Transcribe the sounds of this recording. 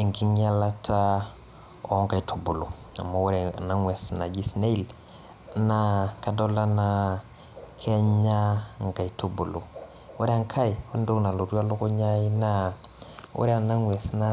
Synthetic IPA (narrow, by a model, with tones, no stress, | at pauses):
e˨ŋki˦ŋ˦a˦la˦ta˦ | o˦ŋka˨jtʰu˨bu˨lu˨ | a̰˨mːa˨wu˦ɾe˨a̰˨na˦ŋwe˨sna˨ɡi˦sne˦i˦l | na˦ka˨do˦la˦na˨ | kʰe˦ɲɲa˦ŋka˨i˨tu˦bu˨lu˨ | wṵ˦ɾe˦a˦ŋkʰa˦i˨wa˦ndu˦kna˨lu˨du˦a˦lu˦ku˦ɲa˦ji˦na˦ | wṵ˦ɾe˦a˨na˦ŋwe˨sna˦